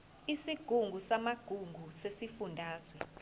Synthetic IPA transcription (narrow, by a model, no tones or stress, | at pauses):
isiɡ̥ʱuŋɡʱusamaɡ̥ʱuŋɡʱusesifundʱaːzwɛ